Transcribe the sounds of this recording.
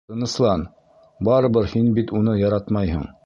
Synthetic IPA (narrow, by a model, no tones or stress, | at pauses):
ɤ̆nɤ̆slˠɑn | bɑɾɤ̆βɤɾhinbit̪unɤjɑɾɑt̪mɑjhɤ̰ɴ